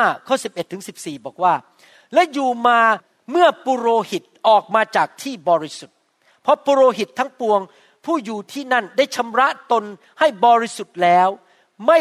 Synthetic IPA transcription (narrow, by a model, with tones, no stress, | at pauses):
kʰɔː˥˩si˨˩p̚ʔe˨˩t̪ʰːɯ˩˦ŋsi˨˩p̚siː˨˩bɔː˨˩k̚waː˥˩ | lɛ˦˥juː˨˩maː˧ | mɯ˥˩əpu˧ɾoː˧hi˨˩t̪̚ʔɔː˨˩k̚maː˧t͡ɕaː˨˩k̚t̪ʰiː˥˩bɔː˧ɾi˦˥su˨˩t̪̚ | pʰɔ˦˥pu˧ɾoː˧ɦi˨˩t̪ʰːa˦˥ŋpu˧əŋ | pʰuː˥˩juː˨˩t̪ʰiː˥˩na˥˩nda˥˩jt͡ɕʰa˧˥mɾa˦˥ʔt̪o˧n | ha˥˩jbɔː˧ɾi˦su˨˩t̪̚lɛː˦˥w | ma˥˩